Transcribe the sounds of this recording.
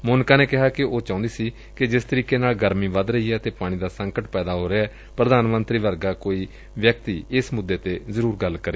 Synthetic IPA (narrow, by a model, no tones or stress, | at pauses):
mʊːnkaːneːkɪɦaːkɪʔoːt͡ʃãːnd̪iːsiː | kɪd͡ʒɪst̪əɾiːkeːnaːlɡəɾmiːʋəd̪ɾəɦiːɛːt̪eːpaːɽ̃iːd̪aːsəŋkəʈpɛːd̪aːɦoːɾeaɛː | pɾəd̪aːnmənt̪ɾiːʋəɾɡaːkoːiː | ʋjək̚t̪iːɪsmʊd̪ːeːt̪eːzəɾuːɾɡəlːkəɾeː